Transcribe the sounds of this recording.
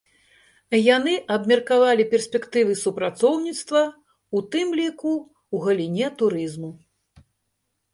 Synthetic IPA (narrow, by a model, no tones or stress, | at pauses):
janɨʔɐbmʲɛrkavalʲipʲɛrsʲpʲɛkt̪ɨvɨsupɾat̪sɔwnʲit̪st̪vɐ | ut̪ɨmlʲiku | wɣɐlʲinʲɛt̪uɾɨzmu